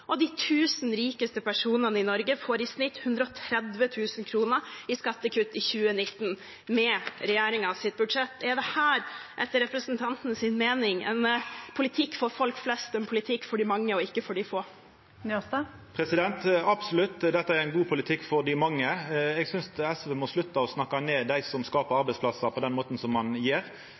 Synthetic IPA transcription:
ʔɔd̪ɪt̪ʰʉːsnɾiːkəst̪əpʰæʂuːnənəɪnɔɾɡəfoːɾɪsnɪt̪ːhʉnd̪ɾəɔt̪ʰɾɛd̪ʋət̪ʰʉːsnkʰɾuːnəɾɪskɑt̪ːəkʰʉt̪ːɪçʉːənɪt̪ːn | mɛɾɛjeːɾɪŋɑʋsɪt̪̚bʉd̪ʂɛt̪ːɛɖ̪ɛhæːɾʔɛt̪ːəɾɛpɾəsnt̪ʰɑnt̪nəsɪnmeːnɪŋɛ̰npʰʊlɪt̪ʰɪkːfɔɾfɔlkflɛst̪ɛnpʰʊlɪt̪ʰɪkːfɔɖɪmɑŋːəɔɪkːəfɔɖɪfoː | n | pʰɾɛsɪd̪ɛnt̪ɑb̥sɔlʉt̪ːd̪ɛt̪ːəæɾæɪnɡuːpʰʊlɪt̪ʰɪkːfɔɾd̪ɪmɑŋːəɛɡsʏnsɛsʋɛːmɔslʉt̪ːɑɔsnɑkːɑneːd̪æɪsɔmskɑːpəɾɑɾbɛɪspʰlɑsəpʰɔd̪ɛnmoːt̪n̩sɔmːɑnjiːɾ

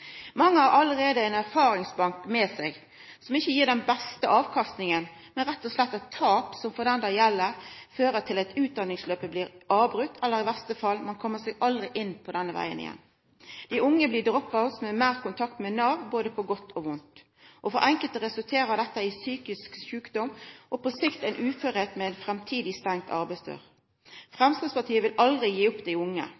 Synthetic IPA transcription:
mɑŋːəhɑɾʔɑlːəɾeːd̪əænæʁfɑːɾɪŋsbɑŋkmɛːsɛɡ | sɔmɪçːəjiːɖɛnbɛst̪əʔɑːʋkʰɑst̪nɪŋən | mɛnɾɛt̪ːɔslɛt̪ːɛt̪ʰːɑːpsɔmfɔd̪ɛnd̪ɑjɛlːəɾføːɾət̪ʰɪlæt̪ʉːt̪̚d̪ɑnːɪŋsløːpəbliːɾʔɑːbɾʉt̪ːɛlːəɾɪʋæst̪əfɑlmɑnkʰɔmːəsɛɡɑld̪ɾɪʔɪnːpʰɔd̪ɛnːəʋæ̰ɪə̰nɪ̰jɛ̰n | d̪̥ɪʔʊŋːəblɪːdʁɔpːɑɔsmɛmeːʁkʊnt̪ʰɑk̚t̪mɛnɑːʋboːd̪əpʰɔɡɔt̪ʰːoːʋʊnt̪ | ʔɔfɔɾʔɛŋkəlt̪ʁɛsʉlt̪ʰeːʁəd̪ɛt̪ːəɪsyːkɪskʃʉːkd̪ɔmʔɔpɔsɪkt̪ɛɪnʔʉːføʁheːt̪mɛɛnfʁɛmt̪ʰiːd̪ɪst̪ɛŋ̚t̪ʰɑ̰ʁbæɪsd̪ø̰ːʁ | fʁɛmskɪspɑt̪ʰiːəʋɪlɑld̪ʁɪjiːʊpd̪æɪʊŋːə̰

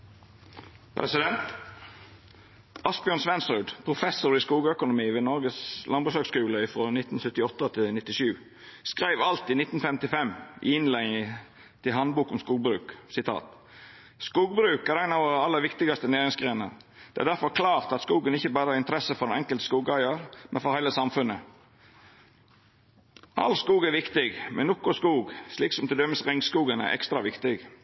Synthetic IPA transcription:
pʰɾɛ̰sɪd̪ɛnt̪ | ʔɑspɪœnsʋɛnsɾʉːd̪pʰɾʊfɛsʊɾɪskuːɡəœkʊnʊmiːʋeːnɔɾɡəslʔɑnbɾʉsøːɡskʉːləɪfɾoːnɪt̪ːn̩sœt̪ːɪɔt̪ːət̪ʰɪlnɪt̪ːɪʃʉː | skɾæɪʋɑlt̪ɪnɪt̪n̩fɛmt̪ɪfɛmɪ̰ɪnlɛɪŋ | t̪ʰɪɦɑnbuːkʊmskuːɡ̚bɾʉːksɪt̪ʰɑ̰ːt̪ | skuːɡ̚bɾʉːkæɾɛɪnɑʋɔɾəɑlːəɾʋɪkt̪ɪɡɑst̪əneːɾɪŋsɡʁeːnə̰ɾd̪̥ɛʔæ̰ɾd̪æɾfɔɾkʰlɑːʁt̪ɑt̪skuːɡənɪçəbɑːɾəhɑɾɪnt̪əɾɛsəfɔɾdɛnɛŋkəlt̪ə̥skuːɡɑɪəɾmɛnfɔɾhæɪləsɑmfʉnə | ʔɑ̰lskuːɡæʋɪkt̪ɪɡmɛ̰nnɔkːʊskuːɡʃliːksɔmt̪ɪd̪œmːəsʁɪŋskuːɡənæ̰ʔɛ̰kst̪ɾɑʋɪkt̪ɪɡ

